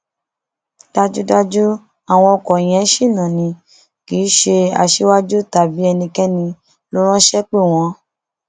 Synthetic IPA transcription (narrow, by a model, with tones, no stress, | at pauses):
d̥a˧d͡ʒu˦da˦d͡ʒu˦ | a˨w̃ɔ̃˧ɔ˧kɔ˨j̃ɛ̃˨˦ʃi˦˨nã˨nĩ˨˧ | ki˨˦ʃe˧a̰˨ʃe˦wa˦d͡ʒu˦ta˨bi˨˦ɛ˧nĩ˧kɛ˦nĩ˧ | lo˦ɾ̃ã˦ʃɛ˦k͡pe˦˨w̃ɔ̃˧